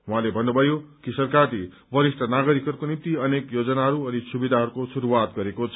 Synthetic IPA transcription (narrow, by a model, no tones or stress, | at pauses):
ɦũãlebʱʌnːobʱʌjokisʌrkarle | bʱʌɾisʈʰʌnaɡʌɾikʌɾukonimt̪iʌnekjod͡zʌnaɦʌɾuʌnisubid̪ʱaɦʌɾukosuɾuwat̪ɡʌɾekot͡sʰ